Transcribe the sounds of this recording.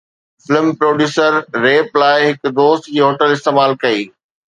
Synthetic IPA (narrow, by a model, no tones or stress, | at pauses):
fɪlmpɾoːɖjuːsəɾːeːplaːɪɦɪkd̪oːst̪d͡ʑiːɦoːʈəlɪst̪eːmaːlkɐiː